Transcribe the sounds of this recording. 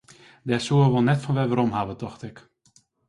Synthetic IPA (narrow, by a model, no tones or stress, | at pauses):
dɛsuəʋɔlˠnɛtfɔnʋɛʋəɾɔmhaʋətɔxtɪk